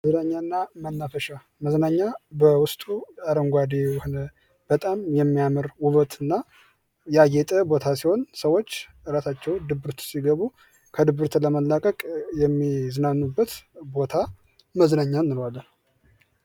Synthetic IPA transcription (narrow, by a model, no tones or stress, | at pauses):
məznaɲːaɨnːamənːafəʃa | məznaɲːabəwʊst̪ʼuaɾəŋɡʷad̪ewhonə | b̥ət̪ʼamjɛmːijamɨɾwuβət̪ʰɨnːa | jɛajɛt̪ʼəbo̞t̪ʰasiho̞nsəwo̞t͡ʃː | ɨɾasat͡ʃːɛwd̪ɨbɨɾt̪siɡəβu | kʰəd̪ɨbɨɾt̪ləməlːakʼəkʼjɛmːizɨnanːubːət̪bo̞t̪ʰa | məznaɲːanːɨlwalːən